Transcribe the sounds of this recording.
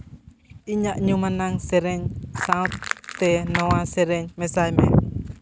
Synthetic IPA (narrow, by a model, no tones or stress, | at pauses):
iɲaʔɲumanaŋsɛɾɛɲsat̪t̪ɛnɔwasɛɾɛɲmɛsajmɛ